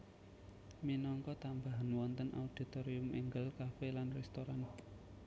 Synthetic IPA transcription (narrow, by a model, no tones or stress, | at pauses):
minɔŋkɔt̪ambaɦanwɔnt̪ənʔa̰ud̥i̤t̪oɾiʊmiŋɡəlkafelanrɛst̪oɾan